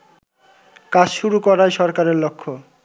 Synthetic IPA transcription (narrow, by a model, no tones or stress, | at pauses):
kad͡ʑʃuɾukɔɾajʃɔɾkaɾeɾlokʰːo